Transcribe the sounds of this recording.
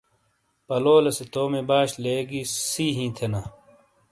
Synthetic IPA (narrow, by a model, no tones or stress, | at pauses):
pɐloːlɐset̪oːmebaːɕleːɡisiːɦĩːt̪ʰena